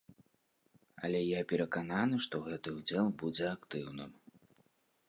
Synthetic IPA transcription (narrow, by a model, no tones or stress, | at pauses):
ɐ̰lʲɛjapʲɛɾɐkananɨʂt̪ɔɣɛt̪ɨud͡zʲɛlˠbud͡zʲɛakt̪ɨwnɨ̰m